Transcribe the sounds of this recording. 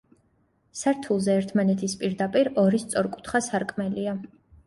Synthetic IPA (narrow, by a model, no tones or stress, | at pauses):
saɾt̪ʰulˠzɛːɾt̪ʰmanɛt̪ʰispʼiɾd̪apʼiɾɔɾist̪sʼɔɾkʼu̥t̪ʰχasaɾkʼmɛlia